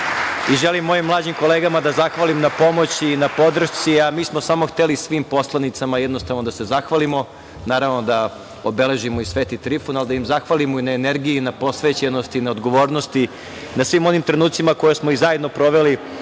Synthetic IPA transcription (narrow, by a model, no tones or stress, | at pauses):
iʒelimːo̞jimːlˠaːd͡ʑimko̞leɡamad̪azaxʋalimnapo̞mo̞t͡ɕinapo̞d̪r̩t̪siamiːsmosaːmo̞xt̪elisʋiːmpo̞slˠanit̪samajɛd̪nost̪aʋno̞d̪ase̞zaxʋalimo̞ | naːɾaʋno̞d̪a | obele̞ʒimo̞isʋeːt̪it̪ɾifunalid̪aimzaxʋalimoinaeneɾɡijinapo̞sʋeːt͡ɕeno̞st̪inaod̪ɡo̞ʋo̞ːɾnost̪i | nasʋiːmo̞nimt̪ɾe̞nuːt̪simakojesmoizajed̪nopɾo̞ʋeli